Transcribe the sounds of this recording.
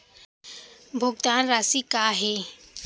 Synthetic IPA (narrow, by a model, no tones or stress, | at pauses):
bʱʊɡt̪aːnɾaːsikaːɦeː